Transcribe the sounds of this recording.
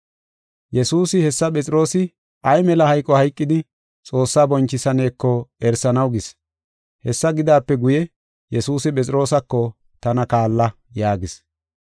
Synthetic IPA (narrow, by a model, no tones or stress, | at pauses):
jɛsuːsɪhɛsːɐpʼɛt͡sʼɪɾo̞ːsɪ | ʔɐjmɛlɐhɐjkʼːɔhɐjkʼːɪd̪ɪ | t͡sʼo̞ːsːaːbɔnt͡ʃːɪsɐne̞ːkːɔɛɾsɐnɐwɡɪs | hɛsːɐɡɪd̪aːpːɛɡʊjɛ | jɛsuːsɪpʼɛt͡sʼɪɾo̞ːsɐkːɔ | t̪ɐnɐkaːlːɐ | jaːɡɪs